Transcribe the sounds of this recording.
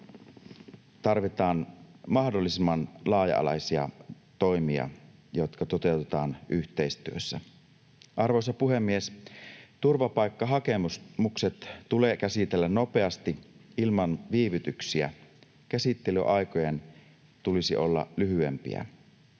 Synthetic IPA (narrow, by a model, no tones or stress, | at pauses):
t̪ɑrʋit̪ɑːnmɑhdolːisimːɑnlɑːjɑ̰ɑ̰lɑ̰jsiɑ̰ | t̪o̞jmiɑ̰jot̪kɑt̪ot̪e̞wt̪et̪ɑːnʔyçt̪eist̪yøsːæ | ʔɑrʋojs̬ɑpuɦemːiest̪urʋɑpɑjkːɑɦɑkemusmukset̪tulekæsit̪elːænno̞pe̞ɑst̪iilmɑnʋiːʋyt̪yksiæ̰ | kæsit̪ːely̰ʔɑjkojen | t̪ulisio̞lːɑ̰lyɦyḛmpḭæ̰